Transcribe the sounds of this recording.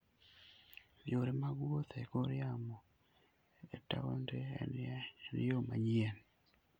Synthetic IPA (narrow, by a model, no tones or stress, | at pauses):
bjoɾemaɡwot̪ekoɾjamo | eta̰o̰ndḛnn̰joma̰ɲian